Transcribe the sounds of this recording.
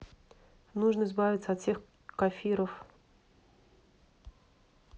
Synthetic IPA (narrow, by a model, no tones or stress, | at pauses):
nuʐnəɪzbavʲɪt̪səɐt̪sʲe̞x | kɐfʲiɾəf